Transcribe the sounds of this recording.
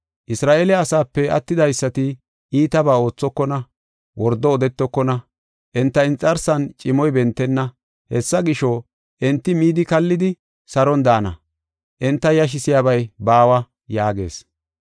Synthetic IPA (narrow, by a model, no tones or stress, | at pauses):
ʔɪsɾaːʔeːlɛɐsaːpːɛɐ̰t̪ːɪd̪ɐjsːɐt̪ɪ | iːt̪ɐbaːo̞ːt͡sːɔkːɔnɐ | wɔɾd̪ɔːd̪ɛt̪ːɔkːɔnɐ | ʔɛnt̪ːɐɪnt͡sʼːɐɾsɐnt͡ʃʼɪmɔjbɛnt̪ːɛnːɐ | hɛsːɐɡɪʃɔ | ʔɛnt̪ːɪmiːd̪ɪkɐlːɪd̪ɪ | sɐɾɔnd̪aːnɐ̰ | ʔɛnt̪ːɐjɐʃ̬ɪsɪjabɐjbaːwɐ | jaːɡe̞̰ːs